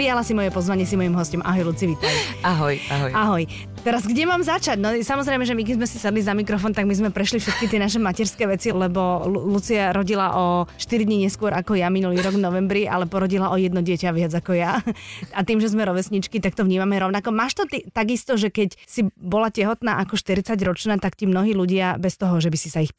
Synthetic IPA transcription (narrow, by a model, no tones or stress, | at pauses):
pɾijalasimɔjɛpɔzʋaɲɪɛsimɔjimɦɔscɔmʔa̰ɦɔjlut͡siʋit̪ajiaɦɔjaɦɔaɦɔj | t̪ɛɾazɡɟɛmaːmzat͡ʃaɟnɔsamɔzɾɛjmɛʒɛmik̬ɛzmɛsisɛd̪lizamikɾɔfɔnt̪aɡmizmɛpɾɛʃlifʃɛt̪kit̪ɪɛnaʃ̬ɛmacɛɾskɛːʋɛt͡silɛbɔlut͡siaɾɔɟilaʔɔʃt̪iɾid̪ɲiɲɛskʊɔɾakɔjaminuliːɾɔɡvnɔʋɛmbɾiʔa̰lɛpɔɾɔɟilaʔɔjɛd̪nɔɟɪɛcaʋɪad͡zakɔjaat̪iːmʒɛzmɛɾɔʋɛsɲit͡ʃkit̪ak̚t̪ɔvɲiːmamɛɾɔʊnakɔmaːʃt̪ɔt̪it̪aɡist̪ɔʒɛkɛcsibɔlacɛɦɔt̪na̰ːʔakɔʃt̪iɾit͡saɟɾɔt͡ʃnaːt̪akt̪imnɔɦiːluɟɪabɛst̪ɔɦɔʒɛbisisaix